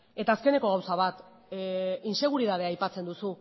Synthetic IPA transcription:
e̞t̪aːske̞ne̞ko̞ɣawsaβ̞at̪ | inse̞ɣ̞uɾiðað̞eajpat͡se̞nd̪usu

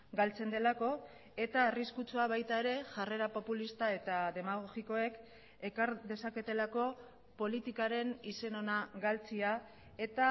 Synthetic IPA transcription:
ɡalt͡se̞nd̪e̞lako̞ | e̞t̪aːriskut͡suaβ̞ajt̪ae̞ɾe̞ʝare̞ɾapo̞pulist̪ae̞t̪aðe̞maɣ̞o̞ɣiko̞e̞k | e̞kaɾðe̞sake̞t̪e̞lako̞ | po̞lit̪ikaɾe̞nise̞no̞naɡalt͡sia | e̞t̪a

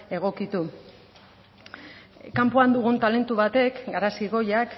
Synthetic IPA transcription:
e̞ɣ̞o̞kit̪u | kampuand̪uɣ̞unt̪ale̞nt̪uβat̪e̞kɡaɾasiɣo̞jak

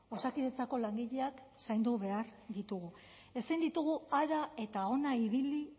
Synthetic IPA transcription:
o̞sakiðe̞t͡sako̞laŋɡiʎe̞aksajnd̪uβe̞aɾd̪it̪uɣu | e̞sajnd̪it̪uɣ̞uaɾae̞t̪ao̞naiβ̞ili

